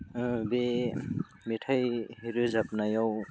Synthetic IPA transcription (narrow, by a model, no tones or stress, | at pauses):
be | mitʰajhiɾɯzap̚najaw